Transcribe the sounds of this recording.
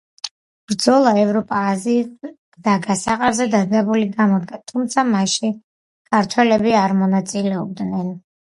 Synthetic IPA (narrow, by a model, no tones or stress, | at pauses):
b̥ɾd̪zɔlˠaɛvɾɔpʼaːzi̥ | d̪aɡasaqʼaɾzɛd̪aɾzɛbuliɡamɔd̪ɡat̪ʰumt̪sʰamaʃi | kʰaɾt̪ʰwɛlɛbiaɾmɔnat̪sʼilɛɔb̚d̪nɛn